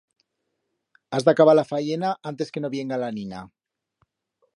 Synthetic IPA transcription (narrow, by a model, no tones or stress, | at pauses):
azd̪akaβalafaʝenaʔant̪e̞ske̞no̞βje̞ŋɡalanina